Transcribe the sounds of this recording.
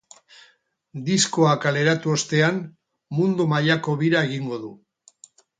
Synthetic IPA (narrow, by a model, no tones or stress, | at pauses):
d̪isko̞akale̞ɾat̪uost̪e̞an | mund̪omaʎako̞βiɾae̞ɣ̞iŋɡo̞ðu